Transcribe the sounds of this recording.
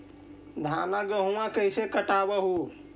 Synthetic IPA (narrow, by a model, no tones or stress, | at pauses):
d̪ʱanaɡəɦũãkəsekəʈabəɦu